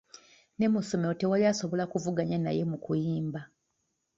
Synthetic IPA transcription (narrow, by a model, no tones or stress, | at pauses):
ne̞muso̞meo̞te̞waliaso̞βo̞lakuvuɡaɲana̰je̞mukujiːmba